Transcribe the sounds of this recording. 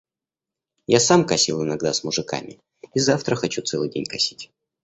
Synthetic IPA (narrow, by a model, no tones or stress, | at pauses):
jasamkɐsʲilˠɪnɐɡd̪asmʊʐɨka̰mʲɪ̰ | izaft̪ɾəxɐt͡ɕut̪sɛlˠɨjdʲḛnʲkɐsʲi̥tʲ